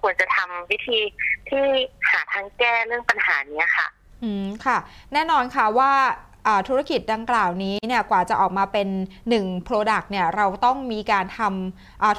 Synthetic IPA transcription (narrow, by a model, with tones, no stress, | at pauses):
kʰu˧ənt͡ɕa˨˩t̪ʰa˧mwi˦˥t̪ʰiː˧t̪ʰiː˥˩haː˩˦t̪ʰa˦˧ŋkɛː˥˩ɾɯ˥˩əŋpa˧nhaː˩˦niː˦˥ɐkʰa̰˥˩ | ʔɯː˧˩kʰa˥˩nɛː˥˩nɔː˧nkʰa˦˥˩waː˥˩ | ʔaː˨˩t̪ʰu˦˥ɾa˥˩ki˨˩t̪̚da˧ŋklaː˨˩wniː˦˥ni˥˩ɐkwaː˨˩t͡ɕa˨˩ʔɔː˨˩k̚maː˧pe˧nːɯ˨˩ŋpʰɾoː˧da˨˩k̚ni˥˩ɐɾa˧wt̪ɔ˥˩ŋmiː˧kaː˧nt̪ʰa˧m | ʔaː˨˩t̪